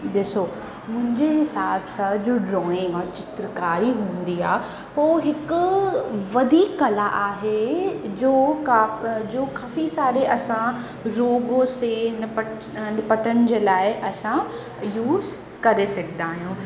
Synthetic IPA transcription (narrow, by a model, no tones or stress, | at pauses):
ɗ̪ɪso | mʊ̃ɦɪ̃ɲd͡ʑeɦɪsaːbsãd͡ʑoːɖɾɔːɪ̃ŋɡɔːɾt͡ɕɪt̪ɾəkaːɾiɦũːnd̪iaː | ɦoːɦɪkʊʋɐd̪ʱiːkːɐlaʔaːɦed͡ʑoːkaːd͡ʑoːkaːfisaːɾeʔɐsã | ɾoːɡõsenɪpə | nɪpəʈənɪd͡ʑeːlaːɪʔɐsã | juːz | kɐɾesɐkʰd̪aːɦijũː